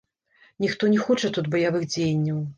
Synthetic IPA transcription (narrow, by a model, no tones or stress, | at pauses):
nʲixt̪ɔnʲɛxɔt͡ʂɐt̪ud̪bɐjavɨxd͡zʲejnʲːɐw